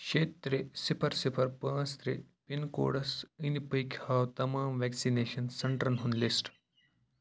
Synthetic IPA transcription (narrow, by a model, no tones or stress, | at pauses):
kʃeːt̪ɾesipʰɐɾsipʰɐɾpɐ̃ːst̪ɾḛpinko̰ːɽɐsinipɐjkʰʲhaːwt̪ɐmaːmʋɛksineːʃɐnsɐɳʈɾɐnɦunlisʈ